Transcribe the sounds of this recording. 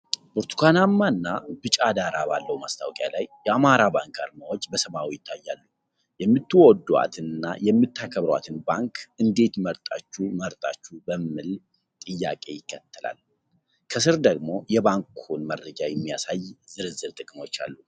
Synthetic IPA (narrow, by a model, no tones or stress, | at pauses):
buɾt̪ʰu̥kʰʷanamːaɨnːab̥ɨt͡ʃʼad̪aɾabalːəhwumast̪ʰawkʼja̰lajːɛamaɾabaŋkaɾmawod͡ʒːbəsəβawijɪt̪ʰːajːalːu | jɛmːɨt̪ːɨwɔd̪ːua̰t̪ʰɨnɨnːa̰jɛmːɨt̪ʰːakʰəβɾwa̰t̪ʰɨnbaŋkʰʔɨnd̪e̞t̪məɾt̪ʼat͡ʃːuməɾt̪ʼa̰t͡ʃːubəmɨl | t̪ʼɨjːa̰kʼe̞jɪkʰːət̪ʰːəla̰l | kʰəsɨɾd̪əɡmo̞jɛbaŋkʰunməɾːəd͡ʒajɛmːijasajzɨɾɨzɨɾt̪ʼɨkʼmo̞t͡ʃːa̰lːu